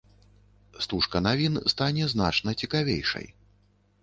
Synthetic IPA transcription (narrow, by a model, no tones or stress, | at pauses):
st̪uʂkɐnavʲinst̪anʲɛzna̰t͡ʂnɐt͡sʲikavʲḛjʂɐ̰j